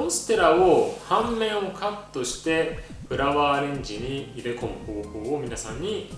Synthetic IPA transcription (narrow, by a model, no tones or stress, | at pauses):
õsɨ̥t̪e̞ɾaohãmːẽ̞ɰ̃o̞kʰat̪ːo̞ɕi̥t̪e̞ | pɯ̟ɾaβaːɾẽ̞ɲ̟d͡ʑiɲ̟iiɾe̞ko̞mɯ̟ho̞ːho̞ːomʲinasãɲ̟ːi